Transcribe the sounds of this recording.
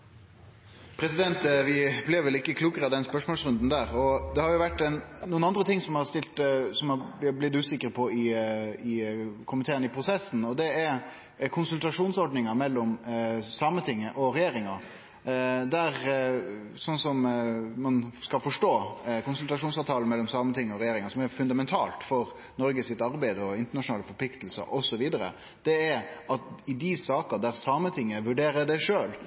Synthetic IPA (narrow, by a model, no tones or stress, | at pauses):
pʰɾɛsɪd̪ɛnt̪ʋɪblɪɾʋɛlɪkːəkʰluːkəɾɑd̪ɛnspœʂmoːlsɾʉnd̪n̩d̪æːɾɔd̪ɛhɑɾjʊʋæʈːɛnnuːənɑnd̪ɾət̪ʰɪŋsɔmɑɾst̪ɪlt̪sɔmɑʋɪblɪt̪ʉːsɪkːəɾpʰɔɪɪkʰʊmɪt̪ʰeːənɪpʰɾʊsɛsːn̩ɔd̪ɛɛ | kʰʊnsʉlt̪ɑʂuːnsɔɾɖnɪŋɑmɛlːɔmsɑmət̪ʰɪŋːəʔɔɾɛjeːɾɪŋɑ | d̪æɾ | sɔnːsɔmmɑnskɑlfɔʂʈoːkʊnsʉlt̪ɑʂuːnsɑːʋt̪ʰɑːlmɛlːɔmsɑːmət̪ʰɪŋːəɔɾɛjeːɾɪŋəsɔmɛɾfʉnd̪ɑmɛnt̪ʰɑ̰ːlt̪fɔɾ | nɔɾɡəsɪt̪ɑɾbæɪd̪əɔɪnt̪əɳɑʂʊnɑːləfɔpʰlɪkt̪lsə̰ɾʔɔsɔʋiːd̪əɾə̰ | d̪̥ɛæɾɑt̪ɪd̪ɪsɑːkəd̪æɾsɑːmət̪ʰɪŋːəʋʉɖeːɾəd̪æɪʂøːl